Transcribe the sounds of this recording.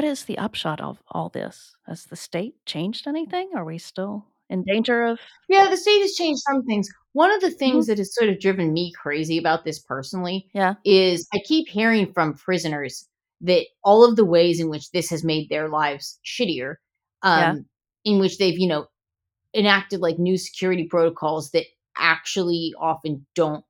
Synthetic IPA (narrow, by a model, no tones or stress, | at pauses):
ʌɾɪzðḭʔʌ̰pʃɑɾʌ̰vɔ̰lˠðɪ̰s | hɨ̰z̥ðɨsteɪt̚t͡ʃʰẽɪ̃nd͡ʒdɛniθɪ̃ŋə˞wistɪlˠ | ɨ̃ndẽɪ̃nd͡ʒə˞ʌv̥jæðɨsteɪt̚hɨz̥t͡ʃʰẽɪ̃nd͡ʒd̥sʌ̃mθɪ̃ŋz | wʌ̃nʌvðɨθɪ̃ŋzðɨt̚hɨz̥sɔɹɾʌvdɹɪvɨ̃nmikʰɹ̥eɪziɨbaʊt̪̚ðɪspʰɜ˞sn̩l̩ˠijæɪzaɪkʰiphiɹɪ̃ŋfɹʌ̃mpʰɹ̥ɪzɨnə˞z̥ | ðɨɾɔlˠʌvðəweɪzɨ̃nwɨt͡ʃðɪshɨzmeɪd̪̚ðə˞laɪvz̥ʃʰɪɾiə˞ | ʔʌ | ɨ̃nwɨt͡ʃðeɪvjɨnoʊ | ɨ̃næk̚tɨdˡlaɪk̚nʉsɨ̥kʰj̥ʊɹɨɾipʰɹ̥oʊɾɨkʰɔlˠzðɨɾ | ʔæ̰k̚t͡ʃul̩ˠiɑfɨ̃nd̥õʊ̃nt̚